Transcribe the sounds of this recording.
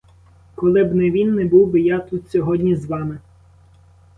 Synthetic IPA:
kɔlˠɪbnɛʋʲinːɛbuwbɪjɑt̪ut̪sʲɔɦɔdʲnʲizʋɑmɪ

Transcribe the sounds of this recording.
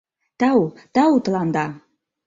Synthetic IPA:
t̪ɑut̪ɑut̪ə̆lɑnd̪ɑ

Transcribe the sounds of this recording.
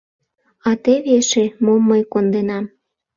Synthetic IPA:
ɑt̪eβeʃemomːəjkond̪enɑm

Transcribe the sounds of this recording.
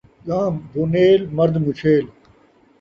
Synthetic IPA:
ɠãːmbuneːlmɐɾd̪mut͡ɕʰeːl

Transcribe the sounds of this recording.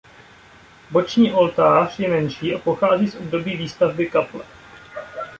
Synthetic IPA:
bo̞t͡ʃɲiːʔo̞lt̪aːr̝̥jɛmɛnʃiːʔapoxaːziːsʔob̚do̞biːviːst̪avbɪkaplɛ̰

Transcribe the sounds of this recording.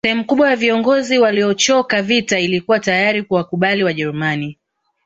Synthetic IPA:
ɛhɛmukuɓwajaviɔŋɡɔziwaliɔt͡ʃɔkavitailikuwatajaɾikuwakuɓaliwaʄɛɾumani

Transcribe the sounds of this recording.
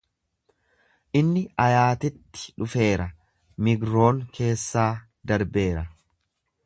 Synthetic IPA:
ʔɪnːɪɐjaːt̪ɪt̪ːɪ̥ᶑʊfe̞ːɾɐ | mɪɡɾo̞ːŋkʰe̞ːsːaː | d̪ɐɾbe̞ːɾɐ

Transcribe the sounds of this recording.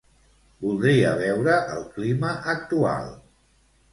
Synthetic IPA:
bulˠd̪ɾiə̰βɛwɾəʔəlˠkliməʔək̚t̪ua̰lˠ

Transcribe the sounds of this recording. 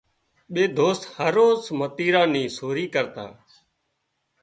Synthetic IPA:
ɓeːd̪ʱoːst̪həɾoːsmət̪iːɾãːnĩːsoːɾiːkəɾt̪a̰ː

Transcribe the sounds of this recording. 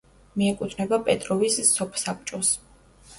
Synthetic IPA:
miɛkʼut̪ʰnɛbapʼɛt̪ʼɾɔvisːɔpʰsap̚t͡ʃʼɔs

